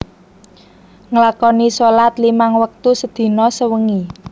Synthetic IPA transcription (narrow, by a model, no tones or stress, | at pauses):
ŋlakɔnisolat̪limaŋwək̚t̪usəd̪̥i̤nɔsəwəŋi